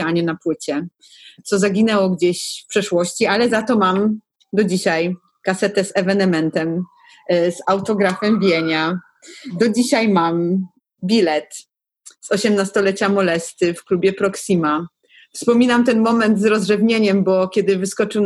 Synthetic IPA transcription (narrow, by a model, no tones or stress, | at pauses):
aɲɛnapwɘt͡ɕɛ | t̪sɔzaɡʲinɛwɔɡd͡ʑeɕfpʂɛʂwɔɕt͡ɕialɛzat̪ɔmam | d̪ɔd͡ʑiɕaj | kasɛt̪ɛzɛvɛnɛmɛnt̪ɛm | zawt̪ɔɡɾafɛmbʲjɛɲa | d̪ɔd͡ʑiɕajmam | bʲilɛt̪ | zɔɕɛmnast̪ɔlɛt͡ɕamɔlɛst̪ɘfklubʲjɛpɾɔksima | fspɔmʲinamt̪ɛnmɔmɛnd̪zɾɔzʐɛvɲeɲɛmbɔkʲɛd̪ɘvɘskɔt͡ʂɘw̪